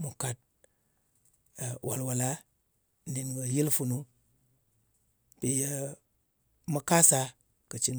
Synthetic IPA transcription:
mu˨ka˨t̚ | wʔa̰˨lwa˨la˦ | ni˨nɡə˨ji˦lfu˨nu˦ | pi˨jə˦ | mə˦ka˦sa˨ | kə˨t͡ʃi˦n

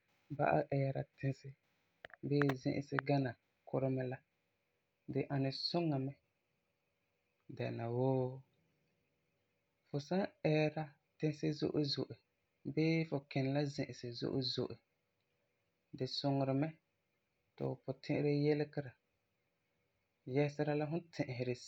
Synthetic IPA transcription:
ba̰˦ʔa̰˦ʔɛ˦ɾa˨tɪ˦nsɪ˦ | bɪː˦zɪ̰̃˦ʔɪ̰˨sɪ˦ɡa˦na˨ | kʊ˦ɾɪ˦mɛ˦la˦ | dɪ˨ʔa˨nɪ˨sʊ˦ŋa˨mɛ˦ | dɛ˨na˨woː˦ | fʊ˨sa˦ɛ˦ɾa˦ | tɪ̃˦sɪ˦zo̰˦ʔʊ˦zo˨ʔɪ˨ | bɪː˦fʊ˨kɛ˨n˨la˦zɪ̃˨ʔɪ˨sɪ˨zo̰˦ʔʊ˦zo̰˨ʔɪ˨ | dɪ˨sʊ˨ŋʊ˨ɾɪ˨mɛ˦ | tɪ̰˨ʊ˨pʊ˨tʰɪ̃˦ʔɪ˦ɾɪ˦jɛ˦lɪ˦kɪ˦ɾa˨ | jɛ˦sɪ˦ɾa˦la˦ɦʊ˦tʰɪ̃˨ʔɪ˨ɦɪ˨ɾɪ˨

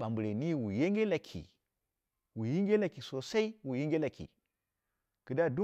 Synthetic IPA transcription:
a˨mbu˨ɾe˨ni˦wu˨je˦ŋɡe˦la˨kʰḭ˨ | wu˨ji˦ŋɡe˦la˨ki˨so˨sa˦i˦wu˨ji˦ŋɡe˦la˨kʰḭ˨ | kɨ˨da˦du˦

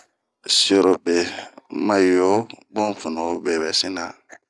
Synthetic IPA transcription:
si˦o˨ɾo˨be˨ma˦jo˦bõ˦˨fu˨no˨˦be˨βɛ˨si˦na˨

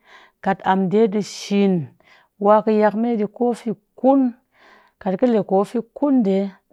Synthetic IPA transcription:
ka˨ta˨mde˦dɨ˧ʃi˨n | wa˧˦kɨ˧ja˧kme˦di˧ko˦fi˧ku˦n | ka˨tkɨ˦le˨ko˨˦fi˧ku˦nde˨˦

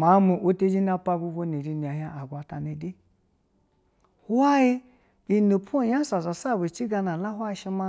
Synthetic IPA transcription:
ma˨˦mu˨ʔo˦te˦d͡ʒi˦na˦pa˦bu˦ɡo˦ne˨ɾi˨ni˨a˨ɦa˦ʔa˨ɡʷa˨ta˨ne˨de˦ | ha˦ji˦ | i˨no˨pʰo˦˨ja˦sa˨za˨sa˦˨bu˨t͡ʃi˦ɡa˧na˨la˦ɦʷwa˦ʃi˦ma˧

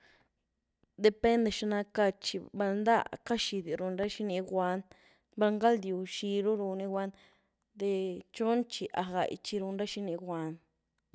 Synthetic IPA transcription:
d̪e˧pe˦nd̪e˧ʃa˧nã˧ka˧t͡ʃi˧ba˧lnd̪a˦ka˦ʃi˧d̪i˨ɾu˧nɾa˦ʃi˦nĩ˧ɡwa˧˦n | ba˧ŋɡa˦ld̪ju˨ʃi˧ɾu˦ɾu˧nĩ˧ɡwʷa˦n | d̪e˧t͡ʃo˦nt͡ʃi˧ʔa˨ɣa̰˨j̰t͡ʃi˧ɾu˧nɾa˦ʃi˧nĩ˧ɡwa˧˦n

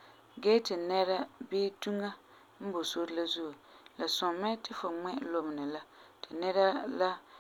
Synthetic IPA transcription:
ɡɛː˦tɪ˨nɛ˦ɾa˦beː˦tu˦ŋa˦ | m̩˦bo˨so˦ɾla˦zu˦u˨la˨sʊ˨mɛ˦tɪ˦fʊ˨ŋ͡mɛ˦lo˨m˨nɪ˨la˦tɪ˨nɛ˦ɾa˦la˦

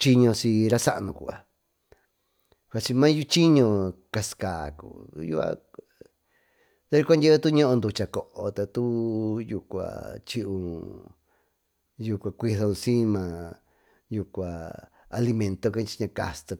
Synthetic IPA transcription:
t͡ʃi˦ɲõ˧si˧ɾa˦sa˦ʔnũ˧kṵ˧˨a̰˨ | kʷa˧t͡ʃi˧mã˦ju˦t͡ʃi˦ɲõ˧ka˧skaː˨kṵ˨˧jṵ˧a̰˧ | t̪a˧˦u˧kʷa˦ndʲe˦ɨ˦˧t̪u˦ɲõ˦ʔõ˧nd̪u˧t͡ʃa˧ko˨ʔo˧˨t̪a˧t̪u˦ju˧kʷa̰˨t͡ʃi˧ʔũ˧ | ju˧kʷa˨˧kʷi˧ðo˧ũ˧sĩ˦mã˧ | ju˧kʷa˨ | a˧li˧mẽ˧nt̪o˧ka˧t͡ʃi̥˧ɲã˧ka̰˧st̪o˧

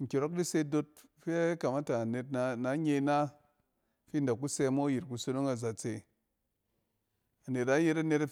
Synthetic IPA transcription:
ŋ̩˨kʲe˨ɾo˦k̚di˦se˧do˧t̚ | fe˦ka˨ma˦ta˨ne˨tna˨˦na˨˦ɲe˧˦na˦ | fi˦n˨da˨kːu˦se˧˦mo˦ji˨ɾku˧so˧no˦ŋa˨za˨t͡se˨ | a˨ne˨ta˦je˧ɾa˧ne˧t

